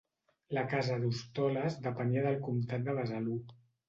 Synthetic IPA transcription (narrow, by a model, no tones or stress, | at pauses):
lakazəðust̪ɔləzðəpəniəðəlˠkumt̪at̪̚d̪əβəzalu